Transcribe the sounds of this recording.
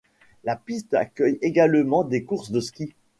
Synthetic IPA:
lapist̪a̰kʲœjeɡalmɑ̃d̪ekuʁsd̪əskʲi

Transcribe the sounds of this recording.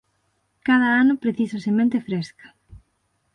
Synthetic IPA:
kaðɐanʊpɾeθisɐsemẽnt̪efɾeskɐ̥

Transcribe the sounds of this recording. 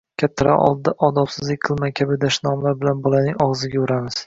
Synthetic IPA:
kʲʰat̪ʰːaɾa̰ʔɒ̰lˠd̪̚d̪aʔɒd̪ɒpsɪzlɪk̚ʲqʰɨlˠmajkʲʰabɪd̪aʃnɒmlaɾbɪlanbɒlˠanɪŋɒʁzɪɡʲaʊɾamɪz̥

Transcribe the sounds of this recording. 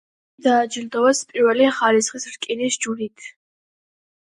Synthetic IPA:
d̪aːd͡ʒild̪ɔvaspʼiɾvɛliχalisχisɾkʼinisd͡ʒuɾit̪ʰ

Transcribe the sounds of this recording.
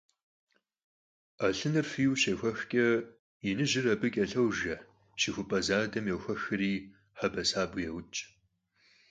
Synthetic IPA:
aːɬɨnɐrfiːwʃɐxʷɔxkʲʼɐ | jɪnɨʒɪrɐbɨkʲʼɐɬɐwʒɐ | ʃixʷʊpʼɐzaːdɐmjɛwxʷɐxɨriː | ħɐbɐsaːbʊjɛwʊt͡ʃʼ

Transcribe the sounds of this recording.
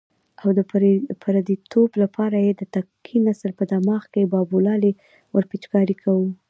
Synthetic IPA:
awd̪əpʰaɾad̪it̪ʰoblapʰɑɾajed̪ət̪akʰinasəlpəd̪amɑxkebɑbulɑle | wʔəɾpit͡ʃkɑɾikʰawu

